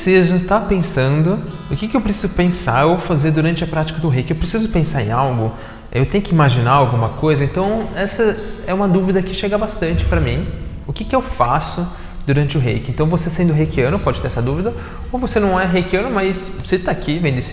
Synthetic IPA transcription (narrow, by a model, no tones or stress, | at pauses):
sezʊt̪apẽsɐ̃nd̪ʊ | ʊkɪkɪewpɾesizʊpẽsaɾowfazeɾd̪uɾɐ̃nt͡ʃɪɐpɾat͡ʃi̥kɐd̪ʊɦejkɪewpɾesizʊpẽsaɾḛ̃awɡʊ | ewt̪ẽjʊkɪimaʒinaɾawɡũmɐkojzɐẽnt̪ɐ̃w̃ɛsɐɛũmɐd̪uvid̪ɐkɪʃeɡɐbast̪ɐ̃nt͡ʃɪ̥pɾɐmĩ | ʊkɪkɪewfasʊ | d̪uɾɐ̃nt͡ʃɪʊɦejkɪẽnt̪ɐ̃w̃vosesẽnd̪ʊɦejkɪɐ̃nʊpɔd͡ʒɪt̪eɾɛsɐd̪uvid̪ɐ | owvosenɐ̃w̃ɛɦejkɪɐ̃nʊmajs | sɪt̪aakivẽd̪ʊesɪ̥